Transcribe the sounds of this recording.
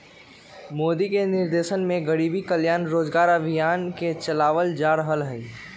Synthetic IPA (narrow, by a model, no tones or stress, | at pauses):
moːd̪ikenɪɾd̪eːʃənmẽɡəɽiːbikəljaːnɾoːd͡ʒɡaːɾəbʱijaːnket͡ʃəlaːʋəld͡ʒaːɾəɦəlɦəi